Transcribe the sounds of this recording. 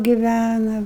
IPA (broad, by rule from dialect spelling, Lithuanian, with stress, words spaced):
ɡʲɪˈʋʲænɐ